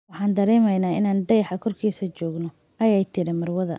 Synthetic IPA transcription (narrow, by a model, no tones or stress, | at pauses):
wɑħɑːnd̪ɐɾɛːmɛjnaːɪnaːnɖɐjħɐkʰɔrkʰiːsɐt͡ʃɔːɡnɔ | ʔɐjɛjt̪ʰɪɾɪmɐrwɐðɐ̰